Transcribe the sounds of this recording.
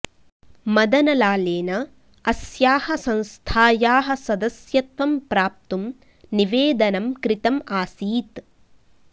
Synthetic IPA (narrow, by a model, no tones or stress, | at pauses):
mɐd̪ɐnɐlaːleːnɐ | ɐsjaːhɐsɐ̃nst̪ʰaːjaːɦɐ̆sɐd̪ɐsjɐt̪ʋɐmpɾaːp̚t̪um | niʋeːd̪ɐnɐmkɾit̪ɐmaːsiːt̪